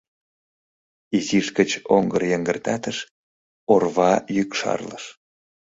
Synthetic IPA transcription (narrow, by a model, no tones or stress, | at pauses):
iziʃkət͡ɕoŋɡərjəŋɡərt̪ɑt̪əʃ | orβɑjykʃɑ̰rlə̰ʃ